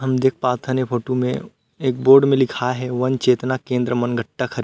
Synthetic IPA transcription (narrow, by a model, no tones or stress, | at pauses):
ɦɐmd̪eːk̚ʰpaːt̪ʰanepʰoːʈumḛ̃ | eːk̚boːɾɖmẽlɪkʰaɦɛʋɐnt͡ʃeːt̪nakẽːnd̪ɾəmɐnɡʱəʈːakʰɐɾ